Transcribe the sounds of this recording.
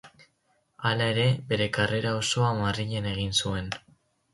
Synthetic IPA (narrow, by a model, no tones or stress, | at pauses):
alae̞ɾe̞be̞ɾe̞kare̞ɾao̞so̞amariʎene̞ɣ̞insue̞n